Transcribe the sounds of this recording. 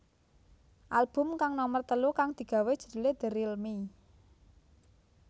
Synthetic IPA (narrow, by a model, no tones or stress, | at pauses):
ʔalb̥ʊ̤mkaŋnɔmərt̪əlukaŋd̪̥i̤ɡ̥a̤we̥ʒ̥ə̤̥d̪̥ṳled̪̥ə̤ɾilmi